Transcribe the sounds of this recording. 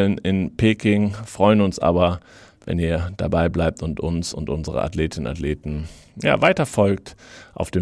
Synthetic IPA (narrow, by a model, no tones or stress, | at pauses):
lnɪnpʰeːkɪŋfʁ̥ɔʏənʊnsʔa̰ːbɐ | vɛ̰niːɐd̥a̰baɪblaɪp̚tʊntʔʊnsʊntʔʊnzəʁə̰ʔa̰tleːtɪnəna̰tleːtn̩ja̰ːvaɪtɐfɔlk̚tʔa̰ʊfd̥eː